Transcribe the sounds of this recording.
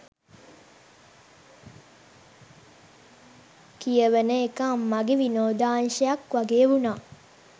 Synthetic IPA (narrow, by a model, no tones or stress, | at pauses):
kijəʋənəekamːaɡeʋinoːd̪aːnʃəjakʋaɡeːəʋunaː